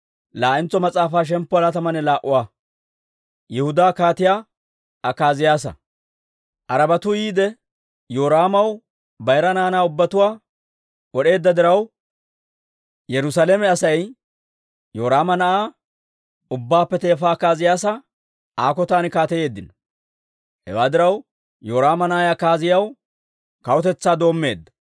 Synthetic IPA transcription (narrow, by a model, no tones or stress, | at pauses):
laːʔɪnt͡sːɔmɐt͡sʼaːfaːʃ̬ɛmpːɔɐlɐt̪ɐmɐnɛlaːʔʊwaː | jɛhʊd̪aːkaːt̪ɪjaː | ʔɐkːaːzɪjaːs̬ɐ̰ | ʔɐɾɐbɐt̪ʊjiːd̪ɛ | joːɾaːmɐw | bɐjɾɐnaːnaːʊbːɐt̪ʊwaː | ɔɗe̞ːd̪ːɐd̪ɪɾɐw | jɛɾʊsaːlemɛɐsɐj | jo̞ːɾaːmɐnɐʔaː | ʊbːaːpːɛt̪e̞ːfaːkːaːzɪjaːsɐ | ʔaːkɔt̪aːnɪkaːt̪ɛje̞ːd̪ːɪnɔ | hɛ̰waːd̪ɪɾɐw | jo̞ːɾaːmɐnɐʔajɐkːaːzɪjɐw | kɐwɔt̪ɛt͡sːaːd̪o̞ːmːe̞ːd̪ːɐ̥